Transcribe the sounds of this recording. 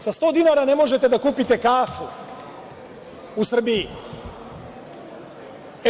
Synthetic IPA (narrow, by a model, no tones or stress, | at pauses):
sast̪oːd̪inaɾanemo̞ʒet̪ed̪akuːpit̪ekaːfu | usr̩bii